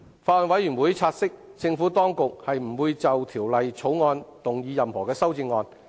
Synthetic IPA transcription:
faː˧˨nwɐ˨˥jy˨˩nwuː˨˥jt͡sʰaː˧t̚sɪ˥k̚t͡sɪ˧ŋfu˨˥t̪ɔː˥ŋkʊ˨k̚hɐ˨jm̩˨˩wuː˧jt͡sɐ˨wt̪ʰiː˨˩wlɐ˨jt͡sʰo˨˥wŋɔː˧nt̪ʊ˨ŋjiː˧jɐ˨mhɔː˨˩kɛː˧sɐ˥wt͡sɪ˧ŋːɔː˧n

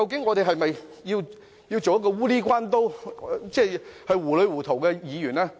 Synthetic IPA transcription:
kɐ˧wk̬ɪ˨˥ŋːɔː˨˧t̪e˨ɦɐ˨jmɐ˨jji˧w | ji˧wt͡so˨wjɐ˥t̚kɔ˧wuː˥liː˥k̬ʷwaː˥nt̪o˥wt͡sɛː˥˩hɐ˨jwuː˨˩lɵ˨˧ɥwuː˨˩t̪ʰo˨˩wkɛː˧jiː˨˧jyː˨˩naː˥

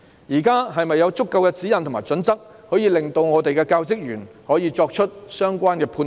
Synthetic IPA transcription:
jiː˨˩kaː˥ɦɐ˨jmɐ˨jːɐ˨˧wt͡sʊ˥kːɐ˧wkɛ˧t͡siː˨˥jɐ˨nt̪ʰŋmaː˨˩jt͡ʃɵ˨˥nt͡sɐ˥k̚ | hɔː˨˥jiː˧lɪ˨˩ŋt̪o˧wŋɔː˨˧t̪e˨jkɛː˧kaː˧wt͡sɪ˥k̚jyː˨˩n | hɔː˨˥jiː˨˧t͡ʃɔː˧k̚t͡ʃʰɵ˥t̚sœː˥ŋkʷaː˥nkɛː˧pʰuː˧n

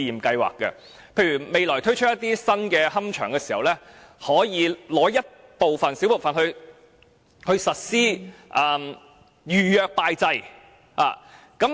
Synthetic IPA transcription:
jiː˨˩mkɐ˧jwa̰ː˨kːɛ̰˧ | pʰe˧jɥyː˨˩me˨˧jlɔː˨˩jt̪ʰɵ˥ɥt͡ʃʰt̚jɐ˥t̪iː˥sɐ˥nkɛː˧ɦɐ˥mt͡ʃʰœː˨˩ŋkɛː˧siː˨˩hɐ˨˩wlɛː˥ | hɔː˨˥jiː˨˧lɔː˨˥jɐ˥t̚ | po˨wfɐ˨nsi˨˥wpo˨˩wfɐ˨nhɵ˧ɥ | hɵ˧ɥsɐ˨t̚siː˥ʔaː˨m | jyː˨jœː˨k̚paː˧jt͡sɐ˧j | a̰ː˨ | kɐ˨˥m

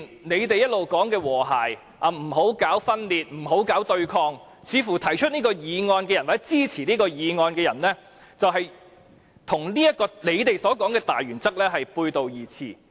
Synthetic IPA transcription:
nne˨˧jt̪e˨jɐ˥t̚lo˨wkɔː˨˥ŋkɛː˧wɔː˨˩ɦa̰ː˨˩j | ʔa˨˧m̩˨˩ɦo˨˥wkaː˨˥wfɐ˥nliː˨t̪̚m̩˨˩ɦo˨˥wkaː˨˥wt̪ɵ˧ɥkʰɔː˧ŋ | t͡sʰiː˨˧fu˨˩t̪ʰɐ˨˩jt͡ʃʰɵ˥t̚niː˥kɔː˧jiː˨˧ŋɔː˧nkɛ˧jɐ˨˩nwa˨˩t͡sɛ˥t͡siː˥˩t͡sʰiː˨˩niː˥kɔː˧jiː˨˧ŋɔː˧nkɛː˧jɐ˨˩nlɛ˥ | t͡sɐ˨wɦɐ˨j | t̪ʰʊ˨˩ŋnliː˥jɐ˥t̚kːɔː˧nle˨˧jt̪e˨jsɔː˨˥kɔː˨˥ŋkɛː˧t̪aː˨jɥyː˨˩nt͡sɐ˥k̚lɛː˥ɦɐ˨jpuː˧jt̪o˨wjiː˨˩t͡sʰḭː˨˩

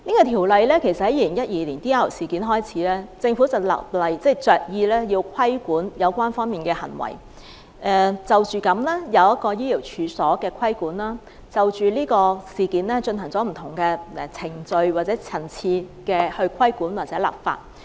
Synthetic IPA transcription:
niː˥kɔː˧t̪ʰi˨˩wlɐ˨˧jlɛː˥kʰe˨˩jsɐt̚hɐ˨˥jiː˧˩lɪ˨˩ŋjɐ˥t̚jiː˨˧liː˨˩nt̪iː˥aː˥˨˩siː˨˩kiː˨˥nɦɔː˥jt͡sʰiː˨˥lɛː˥t͡sɪ˧ŋfu˨˥t͡sɐ˨wla̰˨p̚lɐ˨jt͡sɛ˥˩jt͡sœː˨˩k̚jiː˧lɛː˥jiː˧wkʰɐ˥jkuː˨˥njɐ˨˧wkʷaː˥nfɔː˥ŋmiː˨˩nkɛː˧hɐ̰˨˩nwɐ̰˨˩j | ʔɛ˨t͡sɐ˨wt͡ʃyː˨kɐ˨˥mlɛː˥jɐ˨˧wjɐ˥t̚kɔː˧jiː˥li˨˩wt͡ʃʰyː˨˧sɔː˨˥kɛː˧kʰɐ˥jkuː˨˥nlaː˥ | t͡sɐ˨wt͡ʃyː˨liː˥kɔː˧siː˨˩kiː˨˥nlɛː˥t͡ʃɵ˧nɦɐ˨˩ŋt͡sɔː˨˥m̩˨˩t̪ʰʊ˨˩ŋkɛː˧ɛ˨t͡sʰɪ˨˩ŋt͡sɵ˧ɥwaː˨t̚t͡sɛː˨˥t͡sʰɐ˨˩nt͡sʰiː˧kɛː˧hɵ˧ɥkʷʰɐ˥jkuː˨˥nwaː˨t͡sɛː˨˥la̰˨˩p̚fa̰ː˧t̚

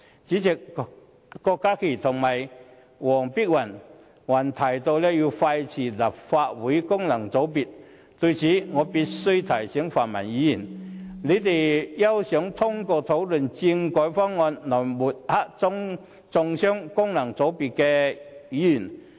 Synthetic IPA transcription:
t͡siː˨˥t͡sɪ˨k̚ | kɔ˧kːaː˥kʰe˨˩t̪ʰʊ˨˩ŋmɐ˨˩j | wɔː˨˩ŋpi˥k̚wɐ˨˩n | wa˨˩nt̪ʰa˨˩jt̪o˧wlɛ˥ji˧wfa˧jt͡sʰiː˨˩la˨˩p̚fa˧t̚wuː˨˥jkʊ˥ŋnɐ˨˩ŋt͡so˨˥wp̬i˨t̚ | t̪ɵ˧t͡sʰiː˨˥ŋɔː˨˧pi˧t̚sɵ˥ɥt̪ʰɐ˨˩jsɛ˨˥ŋfaː˨nmɐ̰˨˩njiː˨˥ji˨˩nne˨˧t̪e˨˩jjɐ˥wsœ˨˥ŋt̪ʰʊ˥ŋkɔː˧t̪ʰo˨˥wlɵ˨nt͡si˧ŋkɔː˨˥jfɔ˥ŋːɔː˧nnɔː˨˩jmu˨˩t̚ha˦˥k̚t͡sʊ˥ŋ | t͡sʊ˧ŋsœː˥ŋkʊ˥ŋnɐ˨˩ŋt͡so˨˥wpi˨˩t̚kɛ˧jiː˨˥jy˨˩n

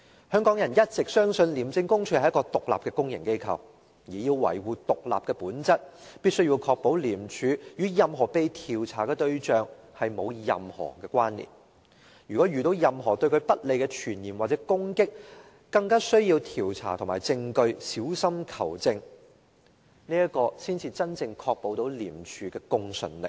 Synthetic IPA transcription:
hœː˥ŋkɔː˨˥ŋjɐ˨˩njɐ˥t̚t͡sɪ˨k̚sœː˥ŋsɵ˧nliː˨˩mt͡sɪ˧ŋkʊ˥ŋt͡ʃʰɵ˧hjɐ˥kɔː˧t̪ʊ˨k̚la̰˨p̚kɛː˧kʊ˥ŋjɪ˨˩ŋke˥jkʰɐ̰˨w | jiː˨ji˧wwɐ̰˨˩jwuː˨t̪ʊ˨k̚la̰ː˨p̚kɛː˧puː˨˥nt͡sɐ˥t̚piː˥t̚sɵ˥ɥjiː˧wkʰɔː˧k̚po˨˥wliː˨˩mt͡ʃʰyː˨˥jyː˨˥jɐ˨mɦɔː˨˩pe˨˧jt̪ʰiː˨˩wt͡sʰa̰ː˨˩kɛː˧t̪ɵ˧ɥt͡ʃœː˨˧ŋhɐ˨jmo˨˧wjɐ̰˨mhɔ̰ː˨˩kɛː˧kʷwaː˥nlḭː˨˩m | jyː˨˩kɔː˨˥jyː˨t̪o˧wjɐ˨mɦɔː˨˩t̪ɵ˧ɥkʰɵ˨˧ɥpɐ˥t̚le˨jkɛ˧t͡ʃʰyː˨˩njiː˨˩mwaː˨t̚t͡sɛː˨˥kʊ˥ŋkɪ˥k̚ | kɐ˧ŋkaː˥sɵ˥ɥjiː˧wt̪ʰiː˨˩wt͡sʰa̰ː˨˩t̪ʰʊ˨˩ŋmaː˨˩jt͡sɪ˧ŋkɵ˧ɥsiː˨˥wsɐ˥mkʰɐ˨˩wt͡sɪ˧ŋ | niː˥jɐ˥kɔː˧siː˥nt͡sʰiː˧t͡sɐ˥nt͡sɪ˧ŋkʰɔː˧k̚po˨˥wt̪o˨˥wlḭː˨˩mt͡ʃʰyː˨˧kɛː˧kʊ˥ŋsɵ̰˧˩nlɪ̰˨k̚

